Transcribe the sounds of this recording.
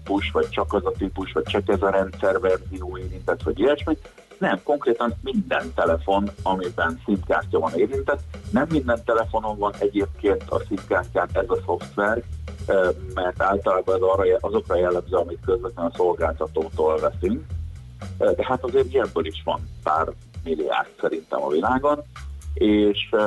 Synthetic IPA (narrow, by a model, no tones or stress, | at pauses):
ipuʃʋɒc̚t͡ʃɒkɛzɒt̪ipuʃʋɒc̚t͡ʃɒkɛzɒɾɛnt̪sɛrvɛrzioːeːɾint̪ɛt̪ʋɒɟiɛʃmeɲ | nɛmko̞ŋkreːt̪ɒnmind̪ɛ̰nt̪ɛlɛfo̞nɒmibɛnsint̪ka̰ːrcɒvɒneːɾint̪ɛt̪ːnɛmːind̪ɛnt̪ɛlɛfo̞no̞ɱvɒnɛɟeːp̚keːnt̪ʰɒ̰sint̪kaːrcaːnɛzɒso̞ft̪ʋɛr | mɛrt̪aːlt̪ɒlaːbɒɛzɒrɒjʔɒzo̞krɒjɛlːɛmzøɒmikkøzvɛt̪lɛnso̞lɡaːlt̪ɒt̪oːt̪oːlvɛsyŋk | d̪ɛɦat̪ɒzeːɾiɛbbːøːliʃʋɒ̰npa̰ːr | milːia̰ːrt̪sɛɾint̪ɛ̰mɒ̰vilaːɡoneːʃ